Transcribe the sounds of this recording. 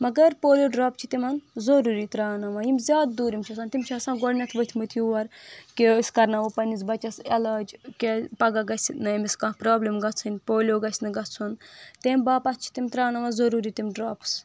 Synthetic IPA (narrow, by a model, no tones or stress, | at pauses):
mɐɡɐɾpoːlʲjoːɖɾaːpt͡ʃʰi̥t̪imɐnzoɾuːɾit̪ɾaːnɐmɐjimʲzʲjaːd̪d̪uːɾimt͡ʃʰiɐsaːnt̪imʲt͡ʃʰiɐsaːnɡoɽnʲɐt̪ʰʋət̪ʰʲmɨt̪ʰjuʋɐɾkeskɐɾnɐʋupɐnit͡sbɐt͡ʃɐselaːd͡ʒkepɐɡɐɡɐsʲinɨimiskãːpɾaːblimɡɐt͡sʰɨnʲpoːlʲoɡɐsʲnɨɡɐt͡sʰunt̪eːmbaːpɐt̪̚ʰt͡ʃʰi̥t̪imʲt̪ɾaːnɐmɐnzɐɾuːɾit̪imɖɾaːps